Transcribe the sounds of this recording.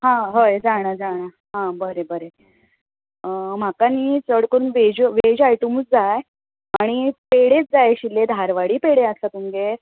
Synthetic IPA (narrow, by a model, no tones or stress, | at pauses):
ɦãɦəjd͡zaɽ̃ad͡zaɽ̃a | ɦãbəɾebəɾe | m̤akanit͡səɽkəɾuːnʋed͡ʑʋed͡ʑajʈumsd͡zaj | aɽ̃ipeɽet͡sd͡zajɕiled̪ʱaɾʋaɽiːpeɽeaslat̪umɡe